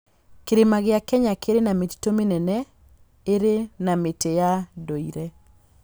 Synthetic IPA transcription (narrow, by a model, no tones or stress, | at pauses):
keɾemaɣeakɛɲakeɾenameti̥tomenɛnɛ | eɾenametejadoiɾɛ